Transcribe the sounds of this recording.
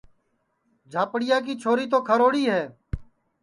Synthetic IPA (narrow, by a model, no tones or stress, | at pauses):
d͡ʒʱaːpɽɪjaːk̬iːt͡ʃʰoːɾiːt̪oːkʰəɾoːɽiːɦɛː